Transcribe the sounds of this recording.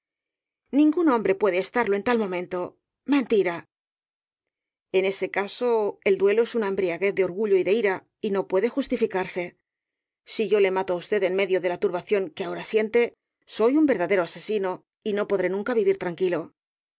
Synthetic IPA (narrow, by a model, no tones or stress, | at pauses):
nĩŋɡunõ̞mbɾe̞pwe̞ð̞eːst̪aɾlo̞e̞nt̪almõ̞mẽnt̪o̞ | mẽ̞nt̪iɾa | e̞ne̞se̞kaso̞e̞ld̪we̞lo̞e̞sunaembɾiaɣe̞θd̪e̞o̞ɾɣuʎo̞iðe̞iɾa | ino̞pwe̞ðe̞xust̪ifikaɾse̞ | siʝo̞le̞mat̪oaust̪e̞ðe̞nme̞ðjo̞ðe̞lat̪uɾβaθjo̞ŋkeao̞ɾasje̞nt̪e̞ | so̞jumbe̞ɾðaðe̞ɾo̞ase̞sino̞ | ino̞po̞ðɾe̞nũŋkaβiβiɾt̪ɾaŋkilo̞